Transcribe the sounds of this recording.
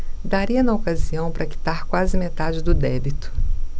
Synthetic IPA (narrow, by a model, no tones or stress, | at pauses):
d̪aɾiɐnɐokaziɐ̃w̃pɾɐki̥t̪aɾkwazɪmet̪ad͡ʒɪd̪ʊd̪ɛbit̪ʊ̥